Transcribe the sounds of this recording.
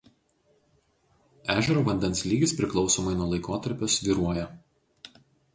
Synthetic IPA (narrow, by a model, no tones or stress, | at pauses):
æːʒʲɛɾoːʋɐnʲd̪ʲɛnslʲiːɡʲɪspʲɾʲɪklˠɒʊsoːmɐɪnuɔlˠɐɪkoːt̪ɐɾʲpʲoːsʋʲiːɾuɔjɛ